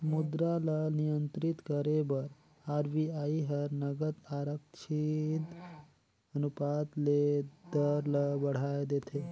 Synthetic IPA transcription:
mud̪ɾalənijənt̪ɾit̪kəɾebəɾ | aɾʋiaiɦəɾnəɡət̪aɾəkt͡ʃʰit̪ | ənupat̪led̪əɾləbəɽ̤aed̪et̪ʰe

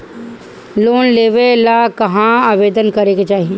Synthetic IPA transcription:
loːnleːʋelakɐɦãaːʋeːd̪ənkɐɾeːɡet͡ʃaːɦie

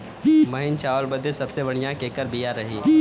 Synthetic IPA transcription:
mɐɦɪnt͡ʃaːʋəlbəd̪esɐbsebɐɽ̤ijãkekəɾbijaɾɐɦiː

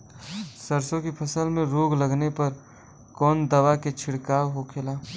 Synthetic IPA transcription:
səɾsõkipʰəsəlmẽɾoːɡləɡnepɐɾ | kɔːnd̪əʋaket͡ʃʰɪɽkaːwɦokʰelaː

